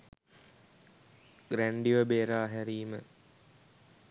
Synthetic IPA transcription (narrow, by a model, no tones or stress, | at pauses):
ɡɾæɳɖiʋəbeːɾaːɦæɾiːmə